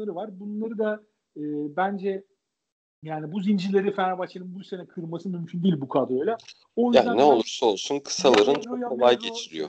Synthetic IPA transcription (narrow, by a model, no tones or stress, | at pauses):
aɾɯvaɾbunlˠaɾɯd̪a | ɯːbænd͡ʒɛ | jaːnibuzind͡ʒilʲe̞ɾifænabat͡ʃʰanɯnbuse̞nɛkʰɯɾmasɯmymcʰynd̪iːlʲbukʰad̪ɾo̞jlʲˠa | o̞jyzjaænɛo̞lˠuɾsaolˠsunkʰɯ̥salˠaɾɯnojaolˠajɟe̞t͡ʃʰiɾijo̰